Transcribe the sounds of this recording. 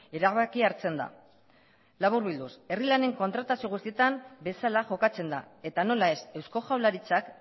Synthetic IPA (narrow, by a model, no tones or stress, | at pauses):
e̞ɾaβakiaɾt͡se̞nd̪a̰ | laβuɾβild̪use̞rilane̞ŋko̞nt̪ɾat̪asio̞ɣ̞ust̪ie̞t̪ambe̞salaʝo̞kat͡se̞nd̪a̰e̞t̪ano̞lae̞se̞wsko̞ʝawlaɾit͡sak